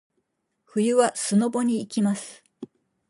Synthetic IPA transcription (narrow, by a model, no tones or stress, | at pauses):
ɸɯ̟jɯ̟βasɨno̞bo̞ɲ̟iːkʲimasɨ̥